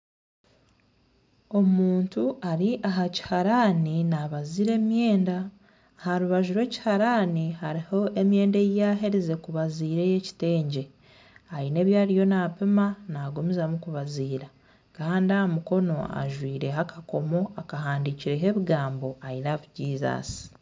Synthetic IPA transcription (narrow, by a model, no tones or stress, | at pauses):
o̞muːntuʔaɾiʔaɦaci̥haɾaninaβaziɾe̞ːmje̞ːnda | haɾuβaʒuɾwe̞ːci̥haɾaːnihaɾiho̞e̞mje̞ːndejjaːɦeɾize̞kuβaziːɾe̞je̞ci̥te̞ːɲɟe̞ | aine̞ːβjaːɾijo̞naːpemanaːɡumizamukuβaziːɾa | kaːndiamuko̞no̞a̰ʒwiːɾe̞ɦakako̞mo̞akaɦaːndiciɾe̞ɦe̞βiɡaːmbo̞ainaβuɟiːza̰ːsi̥